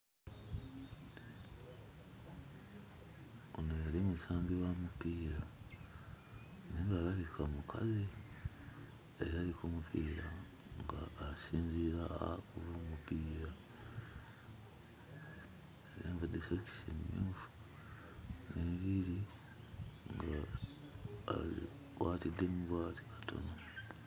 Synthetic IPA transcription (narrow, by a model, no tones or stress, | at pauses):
o̰nojalimusaːmbiwamupiːɾa | niŋɡalaβikʰamukʰa̰zi | eɾaːlikumupʰiːɾa̰ | ŋɡaːsiːnziɾa̰ːkuβumupiːɾa | eɾeːmvadesoci̥sḭmuːfu̥ | niβiɾi | ŋɡa | zḭ | kwaːtid̪emuβwaːti̥kḁtʰo̞̰no